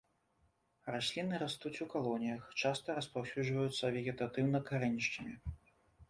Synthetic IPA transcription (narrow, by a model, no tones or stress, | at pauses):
rasʲlʲinɨɾast̪ut͡sʲukalˠɔnʲijɐxt͡ʂast̪ɐɾɐspawsʲud͡ʐvɐjut̪sːɐvʲɛɣʲɛt̪at̪ɨwnɐkaɾɛnʲiʂt͡ʃɐmʲi